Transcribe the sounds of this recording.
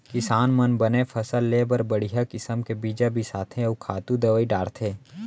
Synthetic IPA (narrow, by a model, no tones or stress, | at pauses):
kɪsaːnmənbənepʰɐsəlːebɐɾbɐɽ̤iɦakɪsəmkebiːd͡ʒabʱisaːt̪ʰẽkʰaːt̪ud̪ɐʋəiɖaːɽt̪ʰeː